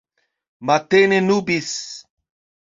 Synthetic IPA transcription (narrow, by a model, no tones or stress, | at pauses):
mat̪enenubis